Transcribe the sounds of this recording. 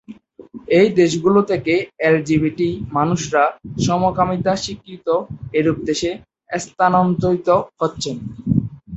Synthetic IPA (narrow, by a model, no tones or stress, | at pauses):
ejd̪eʃɡulot̪ʰekeeld͡ʑibiʈimanuʃɾaʃɔmokamit̪aʃikːɾit̪oeɾuk̚d̪eʃe | est̪anont̪oit̪oɦotːɕʰen